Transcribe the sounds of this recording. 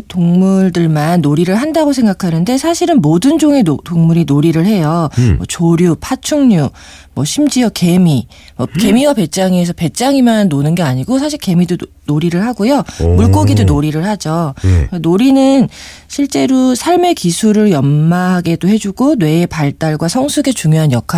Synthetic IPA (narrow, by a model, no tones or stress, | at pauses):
toŋmuɭdɯɭmanːoɾiɾɯɭɦandaɡosʰe̞ŋɡakʰanɯnde̞sʰaɕʰiɾɯnmodɯnd͡ʑoŋe̞otoŋmuɾinoɾiɾɯɭhe̞jʌmwʌ̰t͡ɕoɾjupʰat͡ɕʰoŋɲu | mwʌɕʰimd͡ʑiʌke̞mi | mʌke̞miwape̞t̚t͡ɕ͈aŋies̬ʰʌpe̞t̚t͡ɕ͈aŋimanːonɯnɡe̞aɲiɡosʰaɕʰiɭke̞mido | noɾiɾɯɭɦaɡojomuɭk͈oɡidonoɾiɾɯɭhad͡ʑonoɾinɯn | ɕʰiɭt͡ɕ͈e̞ɾosʰaɭme̞kisʰuɾɯɭjʌmːaɦaɡe̞dohe̞d͡ʑuɡonwe̞ːpaɭt͈aɭɡwasʰʌŋsʰuɡe̞t͡ɕuŋjoɦanjʌkʰa